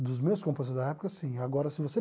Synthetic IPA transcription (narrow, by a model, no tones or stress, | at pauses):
d̪ʊzmewskõmpẽs̬ɪzd̪ɐɛpʊ̥kɐsĩaɡɔɾɐsɪvose